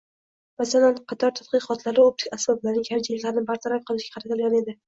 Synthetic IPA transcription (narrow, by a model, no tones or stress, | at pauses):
masalanqʰɑt̪ʰɒɾt̪ʰḁt̪̚qɨqɒt̪ʰlaɾɪob̪̚ɪ̥kʲasbɒblaɾnɪŋaɾd͡ʒalaɾɪnɪbaɾt̪ʰaɾap̚qʰɨlˠɪʃɡ̥ʲḁqʰɾat̪ʰɪlˠɡʲane̞d̪ɪ